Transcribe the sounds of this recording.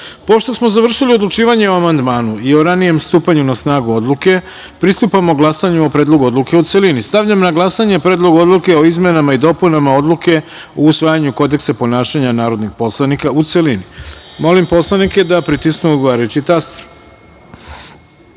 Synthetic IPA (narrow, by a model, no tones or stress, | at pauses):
po̞ʃt̪o̞smozaʋr̩ʃilio̞d̪lˠut͡ʃiːʋaɲe̞oamand̪maːnuio̞ɾanije̞mst̪uːpaɲunasnaːɡuo̞d̪luke̞ | pɾist̪upamoɡlˠasaɲuopɾeːd̪lˠo̞ɡuo̞d̪luke̞ut̪selinist̪aʋʎamnaɡlˠasaɲepɾed̪lˠo̞ɡo̞d̪lˠuke̞o̞izmenamaid̪o̞punamao̞d̪luke̞ | ousʋaːjaɲuko̞d̪e̞ksapo̞naːʃaɲanaːɾo̞d̪niɡpo̞slˠanikaut̪selinimo̞limpo̞slˠanike̞d̪apɾit̪isknuod̪ɡoʋaːɾajut͡ɕit̪ast̪ɾ